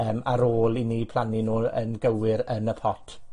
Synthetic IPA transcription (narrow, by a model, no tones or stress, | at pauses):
əːmaɾoːlˠiniːpʰl̥ˠaninuːə̰nɡəwɪɾənəpʰɔtʰ